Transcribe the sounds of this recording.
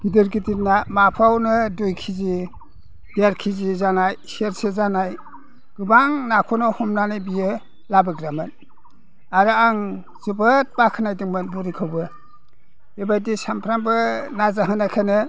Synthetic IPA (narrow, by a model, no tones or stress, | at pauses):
ɡ̥idiɾɡidiɾnamapʰawnɯdujkʰizi | b̥ijaɾkʰizizanajsieɾsezanaj | ɡ̥ɯbaŋnakʰunɔhumnanajbijɯ | labɯɡɾamɯn | aɾɯaŋ | z̥ɯbɯt̚bakʰɯnajdiŋmɯnbuɾikʰɯwbɯ | ebajdisampʰɾambɯnazaɦɯnakʰanɯ